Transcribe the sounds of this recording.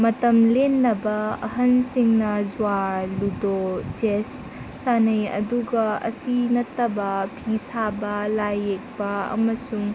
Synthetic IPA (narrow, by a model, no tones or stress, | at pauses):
mɐtɐmlenːɐbɐɐ̰ɦɐnsiŋnɐzuaɾludod͡ʒesː | anɐjɐ̰duɡɐɐ̰sinɐtːɐbɐpʰisabɐlajek̚bɐɐ̰mɐsuŋ